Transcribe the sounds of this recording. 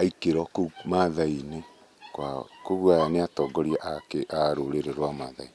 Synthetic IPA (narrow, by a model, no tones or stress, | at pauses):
aikeɾɔkomaðaine | kwakoɣwaaneatɔɡɔɾiaʔakeʔaɾoɾeɾeɾwamaðai